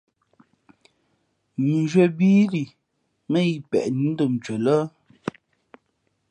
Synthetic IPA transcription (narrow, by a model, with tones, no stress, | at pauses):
mi˨d͡ʒɥə˦˨biː˦ɾi˨ | mə˦ji˨pɛ̰˨ʔni˨˦n̩˦də˨m˨t͡ʃə˨lə˦